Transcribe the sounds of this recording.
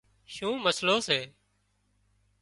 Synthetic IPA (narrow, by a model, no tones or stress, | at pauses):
ʃũːməsloːseː